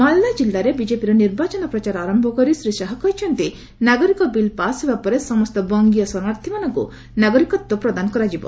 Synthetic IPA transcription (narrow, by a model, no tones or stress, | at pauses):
malːad͡ʒilːaɾebid͡ʒepiɾɔniɾbat͡ʃɔnɔpɾɔt͡ʃaɾaɾɔmbʱɔkɔɾisɾisaɦɔkɔɦit͡ʃʰɔnt̪i | naɡɔɾikɔbilpasebapɔɾesɔmɔst̪ɔbɔŋɡijɔsɔmaɾt̪ʰimanɔŋkṵ | naɡɔɾikɔt̪ːupɾɔd̪anɔkɔɾad͡ʒibɔ̰